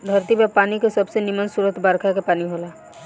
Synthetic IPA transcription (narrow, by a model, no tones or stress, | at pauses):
d̪ʱəɾt̪imepaːnikesəbsenimənsuɾət̪ʰbəɾkʰakepaːniɦoːla